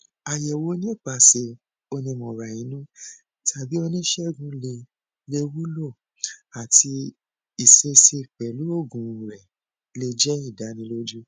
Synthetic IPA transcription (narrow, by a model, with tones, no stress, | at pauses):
a˨jɛ˨wo˨˧˦nĩ˦˨k͡pa˨se˧ | o˧nĩ˧mɔ̃˨ɾa˨jĩ˨˦nũ˦ | tʰa˨bi˨˦o˧nĩ˦ʃɛ˦˨ɡũ˧le˧ | le˧wu˦lo˦˨ | a˨ti˧ | i˨se˧se˧˨k͡pɛ˨lu˨˦o˦˨ɡũ˨ɾɛ˨ | le˧d͡ʒɛ˦i˦˨da˨˦nĩ˧˦lo˦d͡ʒu˦